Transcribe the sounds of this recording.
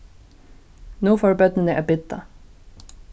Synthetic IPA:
nuːfɔːɹbœd̪nənəʔæbɪd̪a̰

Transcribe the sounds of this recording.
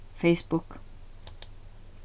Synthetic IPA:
fejspukː

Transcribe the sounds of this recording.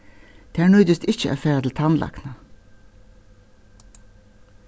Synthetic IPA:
d̪̥eːæːɳœʏd̪ʏst̪ɪçəʔæ̰ːfeːd̪l̩t̪ʰɑnlʔɑ̰knə

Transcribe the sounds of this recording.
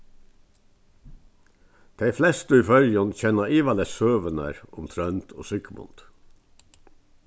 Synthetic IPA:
d̪̥eɪflɛst̪əiːfœljənçɛnɑiːʋɑlɛssøːʋənæ̰ɾʊmt̪ʰɾœnt̪ʰo̰ːsʏkəmʊ̰nt̪

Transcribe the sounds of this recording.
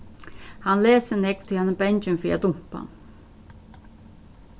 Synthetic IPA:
hanleːsənɛkt̪ʰɪhɛnəbɛɲt͡ɕənfiːad̪ʊm̥pa̰n

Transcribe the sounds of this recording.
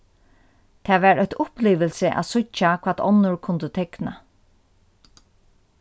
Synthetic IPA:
t̪ʰaːʋæɹœt̪ʊpliːʋəlsɪʔa̰sʊakʰvaːt̪ʰɔnːʊɹkʰʊnt̪ət̪ʰɛkna̰

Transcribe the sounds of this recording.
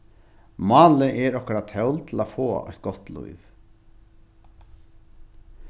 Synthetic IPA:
mɑːlɪʔɛɾɔhkaɾat̪ʰœwlt̪ʰɪlafoːœ̰jt̪̚ɡɔht̪lṵjv

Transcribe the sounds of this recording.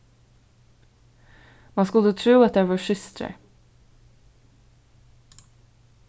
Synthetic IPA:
mɑnskʉlːət̪ʰɾuːɑt̪̚d̪ɛːʋɑʂʏst̪ɾə̰

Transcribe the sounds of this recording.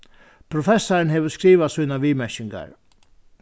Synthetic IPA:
pʰɾʊfɛsːaɾənɦeːʋəskɾiːʋasuːnaʋiːmɛʃɪŋɡa̰ɾ

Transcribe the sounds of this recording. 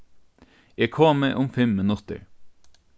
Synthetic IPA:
eːkʰoːməʔʊmfɛmːɛnʊt̪ə̰ɹ

